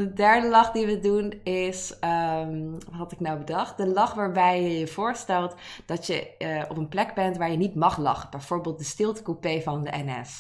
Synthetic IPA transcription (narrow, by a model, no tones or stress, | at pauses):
dədɛɹdəlɑχdiʋədunɪsə | ɦɑtɪknawbədɑχt̚dəlɑχʋaːɹbɛjəjəv̥ʊːɹstɛlˠtd̥ɑtjəɔpənplɛɡbɛntʋaːɹjənitmɑχlɑ̰χəb̥ɛjv̥ʊːɹbeːlˠt̚dəstɪlˠtə̥kupejvɑndəʔɛnɛ̰s